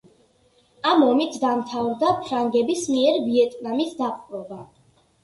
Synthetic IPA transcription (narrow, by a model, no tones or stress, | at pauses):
amɔmit̪ʰd̪amt̪ʰavɾd̪apʰɾaŋɡɛbismiɛɾviɛt̪ʼnamisd̪aqʼɾɔba